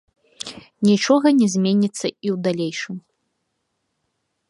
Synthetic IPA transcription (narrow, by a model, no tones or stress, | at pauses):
nʲit͡ʂɔɣɐnʲɛzʲmʲenʲit̪sːɐiwd̪alʲejʂɨm